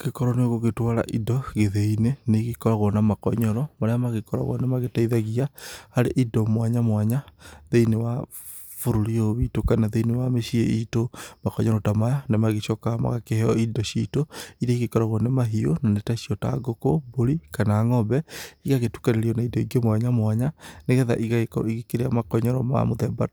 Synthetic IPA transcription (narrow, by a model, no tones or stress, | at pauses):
kekɔɾɔneɣoɣetwaːɾa̰ʔidɔɣeðeineneɣikɔɾaɣɔnamakɔ̰ɲɔɾɔmaɾeamaɣekɔɾa̰ɣɔ̰nemaɣetaiðaɣiahaɾeʔidomwaɲamwaɲaðeinewa | foɾoɾioβitokanaðeinewameʃiḛitomakɔɲɔɾɔtamajanemaɣeʃɔkama̰ɣakehɛɔidɔʃitoiɾɛiɣekɔɾaɣwɔnemaɦionanetaʃiɔta̰ɡokoboɾikanaːŋɔbɛiɣaɣetu̥kaɾeɾiɔnaidɔiɡemwaɲamwaɲaneɣɛða̰ʔiiɣekeɾeamakɔɲɔɾɔma̰moðɛba̰t